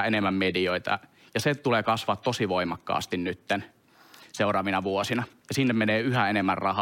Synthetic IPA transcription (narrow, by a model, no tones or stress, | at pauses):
enemːæmmedioit̪ɑ̰ | jɑset̪uleːkɑsʋɑt̪t̪osiʋoimɑkːɑ̰ːst̪innyt̪ːen | seurɑːʋinɑʋuosinɑjɑsinːemmeneːyhæenemːærrɑhɑ